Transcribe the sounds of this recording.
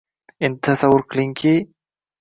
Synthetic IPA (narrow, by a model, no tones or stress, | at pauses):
ɪnd̪̚t̪ʰasawːʊɾqɨliŋkʰʲi